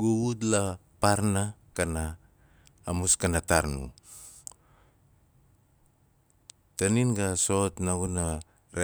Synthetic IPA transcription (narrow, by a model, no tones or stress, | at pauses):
ɡuɡutlapaɾnakanaː | muskanataɾnṵ | taninɡaso̞tnaɡuna | ɾe